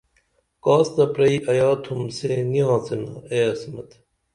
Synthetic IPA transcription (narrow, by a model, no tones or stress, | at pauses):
kaːst̪ɐpɾɐiːʔɐjaːt̪ʰumseniãːt͡senɐ̰eːɐsmɐ̰t̪